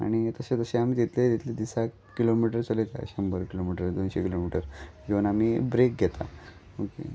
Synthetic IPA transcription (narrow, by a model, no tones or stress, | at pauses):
a̰ɽ̃it̪əset̪əseam̤iːt̪it̪led̪it̪led̪isakːilomiʈəɾt͡səlet̪a̰ɕəmbəɾkilomiʈəɾd̪onɕekilomiʈəɾd͡ʑeʋənam̤iːbɾek̚ɡʱet̪a̰ | okḛ